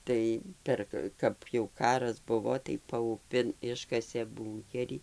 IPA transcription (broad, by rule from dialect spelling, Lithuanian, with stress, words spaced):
ˈtɐɪ ˈpʲɛr kɐ kɐt jɛʊ ˈkɑːrɐs ˈbʊʋoː tɐɪ pɐʊˈpʲɪn ˈɪʃkɐsʲeː ˈbuːŋʲkʲɛrʲiː